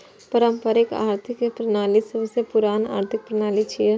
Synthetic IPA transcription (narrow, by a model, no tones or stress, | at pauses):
pəɾəmpəɾeka̰ːɾt̪ʰɪkpɾɐnaːlisəbsepʊɾaːna̰ːɾt̪ʰɪk̚pɾənaːlit͡ʃʰije